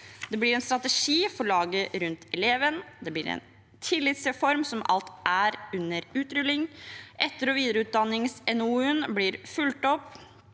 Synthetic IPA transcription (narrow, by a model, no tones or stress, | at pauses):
d̪ɛblɪɾɛnst̪ɾɑt̪əʂiːfɔɾɭɑːɡəɾʉnt̪ɛleːʋənd̪ɛblɪɾɛ̰n | t̪ʰɪlːɪt̪sɛfɔɾmsɔmʔɑ̰lt̪ʔæɾʉnːəɾʉːt̪ɾʏlːɪŋʔɛt̪ːəɾɔʋiːd̪əɾəʉːt̪̚d̪ɑnːɪŋsɛnuənblɪɾfʉlt̪ɔpː